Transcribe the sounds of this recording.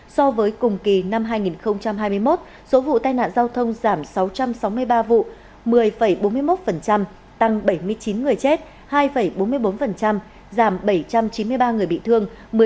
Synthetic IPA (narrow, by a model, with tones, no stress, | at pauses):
sɔ˧vəː˨˦jkʊ˨˩ŋ͡mki˨˩na˧mɦaː˧jŋi˨˩nxə˧wŋ͡mt͡ɕa˧mɦaː˧jmɨ˧əjmo˦˥t̚ | so˨˦vṵ˧˨t̪aː˧jna̰ː˧˨nzaː˧wt̪ʰə˧wŋ͡mzaː˧˩msa˨˦wt͡ɕa˧msa˨˦wmɨ˧əjɓaː˧vṵ˧˨ | mɨ˨˩əjfə˧˩jɓo˨˦nmɨ˧əjmo˦˥t̚fə˨˩nt͡ɕa˧m | t̪a˨˧˩ŋɓə˧˩jmɨ˧əjt͡ɕi˨˦nŋɨ˨˩əjt͡ɕe˦˥t̚ | haː˧jfə˧˩jɓo˨˦nmɨ˧əjɓo˨˦nfə˨˩nt͡ɕa˧m | zaː˧˩mɓə˧˩jt͡ɕa˧mt͡ɕi˨˦mɨ˧əjɓaː˧ŋɨ˨˩əjɓḭ˧˨t̪ʰɨ˧əŋ | mɨ˨˩